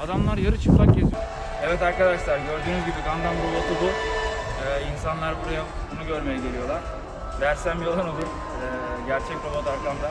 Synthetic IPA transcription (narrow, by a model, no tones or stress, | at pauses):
ad̪amlˠaɾjaɾɯt͡ʃʰɯklak̚ɟet̪ʰijo | evɛt̪aɾkad̪aʃlˠaɾɟø̞ɾd̪yːnyzɟibikʰand̪anbub̪at̪ʰɯd̪u | ɛːinsanlˠaɾbuɾaja | bunuɟø̞ɾmejid̪elʲijo̞lˠaɾ̥ | d̪æɾsæmbijolˠaɾod̪u | ɛːɟæɾt͡ʃʰɛc̚ɾob̪ot̪aɾklˠand̪a